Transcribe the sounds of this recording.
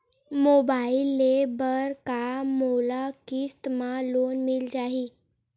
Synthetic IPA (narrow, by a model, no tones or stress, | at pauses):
mobailːebəɾkamolakist̪malonmild͡ʑaɦiː